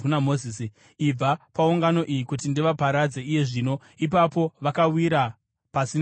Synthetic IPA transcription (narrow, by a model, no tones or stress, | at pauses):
unamozisi | ib͡vapauŋɡano̞ʔijikutindiʋapaɾad͡ze̞ije̞ʐiːno̞ | ip̬apo̞ʋakawiɾa | pasin